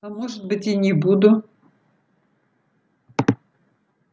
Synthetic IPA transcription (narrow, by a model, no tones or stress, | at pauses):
amoʐɨt̪̚bɨtʲinʲɪbud̪ʊ